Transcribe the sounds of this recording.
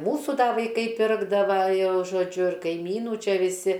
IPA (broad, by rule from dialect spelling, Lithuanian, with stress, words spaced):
ˈmuːsuː ˈdɐ ʋɐɪˈkɐɪ ˈpʲɪrɡdɐʋɐ ˈjɛʊ ʒoːˈd͡ʒʲʊ ɪr kɐɪˈmʲiːnuː ˈt͡ʃʲɛ ʋʲɪˈsʲɪ